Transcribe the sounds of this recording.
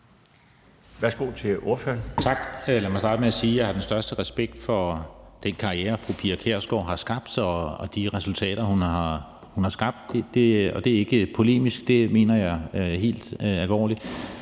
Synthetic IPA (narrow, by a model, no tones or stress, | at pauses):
ʋæɐsɡ̥o̝̰ːt͡sʰe̝o̝ɐfø̰ːɐnt͡sʰɑ̈ɡ̥læmɑɪsdɑ̈ːd̥əmeæsiːjɑ̈hɑ̈d̥ensd̥ɶɐsd̥əʁɛsb̥eɡ̥̚d̥fɒ̽d̥enkʰɑ̈ʁiḛːɐfʁupʰiækʰeɐ̰sɡ̥ɒ̰ːɦɑ̈sɡ̥ɑ̈b̥d̥ɒɒd̥iʁɛsult͡sʰɛ̰ːɾ̥ɐhunɑ̈ | hunhɑ̈sɡ̥ɑ̈b̥̚d̥ed̥e̝ɒ̽d̥e̝æɐe̝ɡ̥əpʰo̝le̝̰ːmisɡ̥d̥e̝me̝̰ːnɐjɑ̈ɪɦe̝̰ːld̥ælʋɒ̰ːli